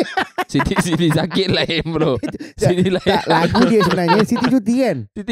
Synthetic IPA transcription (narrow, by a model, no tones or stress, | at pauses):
sit̪isit̪isakɪʔ̪laɛmɾosit̪ilaallaɡudiəsəbənaɲəsit̪it͡ʃut̪iɛnt̪